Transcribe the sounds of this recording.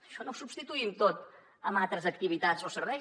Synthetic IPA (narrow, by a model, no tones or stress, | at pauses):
əʃɔnowsubst̪it̪uimt̪ot̪ | əmalˠt̪ɾəzək̚t̪iβit̪at͡sosərɛ